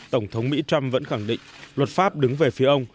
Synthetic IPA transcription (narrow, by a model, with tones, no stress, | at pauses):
t̪ə˧˩wŋ͡mt̪ʰə˨˦wŋ͡mmḭ˧˥t͡ɕa˧mvə̰˧˥nxa˧˩ŋɗḭ˧˨ŋ̟lwə˨˩t̚faː˦˥p̚ɗɨ˨˦ŋve˨˩fi˨˦əʔə˧wŋ͡m